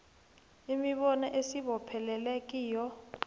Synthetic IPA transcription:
imiɓɔnaʔesiɓɔpʰɛlɛlɛk̬ʼiːjɔ

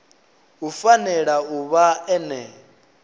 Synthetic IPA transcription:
ufanɛɺauβaɛnɛ

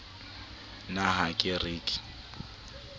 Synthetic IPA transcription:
naɦakʼɪriːkʼɪ̥

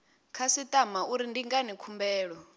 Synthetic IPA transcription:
kʰasitʼamauɾindiŋɡanikʰumbɛːɺɔ

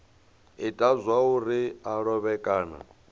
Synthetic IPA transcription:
itʼazʷauɾiaɺɔβɛkʼaːna̰

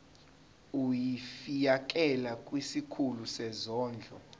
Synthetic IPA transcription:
ujifijak̬ʼɛlakʼwisikʰulusɛzɔːnd͡ɮʱɔ

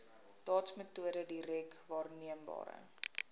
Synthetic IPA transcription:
dɑːtsmətuəɾədirɛkvɑːrniəmbɑ̰ːɾə̰

